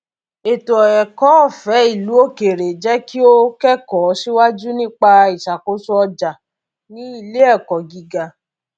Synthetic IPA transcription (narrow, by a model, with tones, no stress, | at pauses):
e˨to˨ɔ˨ɛ˨kɔ˨˦ɔ˦˨fɛ˨˦i˦˨lu˨˦o˦ke˨ɾe˨d͡ʒɛ˦ki˦o˦kɛ˦kɔ˨˦ʃi˦wa˦d͡ʒu˦nĩ˦k͡pa˧i˨ʃa˨ko˨˦su˦ɔ˧d͡ʒa˨ | nĩ˨˦i˦˨le˦ɛ˦˨kɔ˨ɡi˧ɡa˧